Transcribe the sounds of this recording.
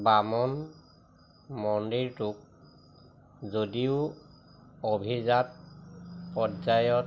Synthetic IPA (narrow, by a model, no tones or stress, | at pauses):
bamɔn | mɔndiɹtʊk̚ | zodiʊ | obʱizat̚ | pɔdzajɔt